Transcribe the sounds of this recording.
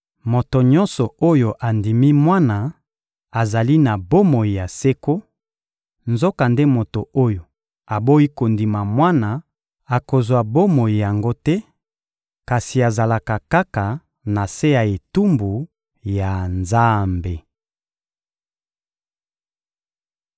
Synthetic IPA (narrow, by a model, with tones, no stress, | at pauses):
mo˨to˨ɲɔ̃˦nsɔ˨o˦jo˨ʔa˨ndi˨mi˦mwa˦na˨ | a˨za˨li˦na˨bo˦mo˨i˨ja˨se˦ko˦ | nzo˦ka˨nde˦mo˨to˨o˦jo˨ | a˨bo˦i˦ko˨ndi˨ma˨mwa˦na˨ | a˨ko˨zwa˨bo˦mo˨i˨ja˨ŋɡo˦tɛ˦ | ka˨si˨a˨za˨la˨ka˨ka˦ka˨ | na˨se˦ja˨e˨tu˦mbu˨ | ja˨nza˦mbe˨